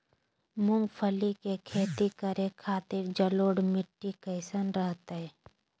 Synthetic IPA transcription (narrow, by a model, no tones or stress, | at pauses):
mʊŋɡpʰəlikekʰeːt̪ikəɾekʰaːt̪ɪɾd͡ʒəloːɽmɪʈːikəɪsənɾəɦt̪aɦɛː